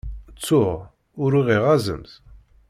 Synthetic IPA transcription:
t͡sːʊʁ | ʊɾiʁiʁæzə̰mθ

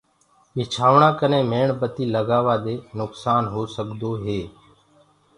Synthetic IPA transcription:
ɪt͡ʃʰaːʋɳãːkənẽːmeːɳbət̪iːləɡaːʋaːd̪eːnʊksaːnɦoːsəɠd̪oːɦeː

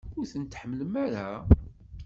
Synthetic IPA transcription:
ʊɾθənt̪ːħəmːəlmæɾæ

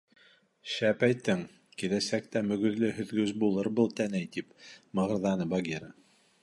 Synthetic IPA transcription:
ʃæpæjt̪ːɘŋ | kilæsæk̚t̪æmɵ̆ɡɵ̆ðlɘhɵ̆ðɡɵzbulˠɤɾbɤlˠt̪ænæjt̪ipmɤ̆ʁɤ̆ɾðɑnɤbɑɡʲiɾə

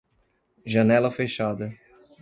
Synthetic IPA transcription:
ʒɐnɛlɐfeʃad̪ɐ

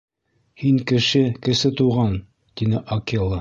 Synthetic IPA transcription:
hiŋkɘ̆ʃɘkɘ̆sɘt̪uʁɑn | t̪inɘʔokʲelˠɤ

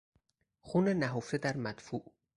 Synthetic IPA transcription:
xunenæɦoft̪ed̪æɾmæd̪̥fuʔ

